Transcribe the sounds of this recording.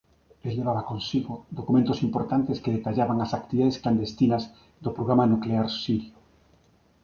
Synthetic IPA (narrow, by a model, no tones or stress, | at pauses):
elʎeβ̞aβakonsiɣod̪okumẽnt̪osimpoɾt̪ant̪eskeðet̪aʎaβaŋasak̚t̪iβiðaðeskland̪est̪inaz | d̪opɾoɣɾamanukleaɾsiɾjo